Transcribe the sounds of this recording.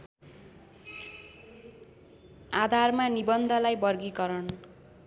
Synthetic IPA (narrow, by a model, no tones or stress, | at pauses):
ad̪ʱarmanibʌnd̪ʱʌlajbʌrɡikʌɾʌn